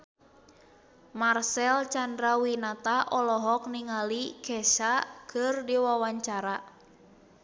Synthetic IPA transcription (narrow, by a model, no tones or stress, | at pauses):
marsɛlt͡ʃandɾawinat̪aʔɔlɔɦɔk̚niŋalikɛsakɨrdiwawaɲt͡ʃaɾa